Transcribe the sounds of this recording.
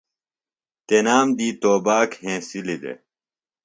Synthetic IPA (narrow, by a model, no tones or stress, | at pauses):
t̪enaːmd̪iːt̪oːbaːkhẽːsilid̪ḛ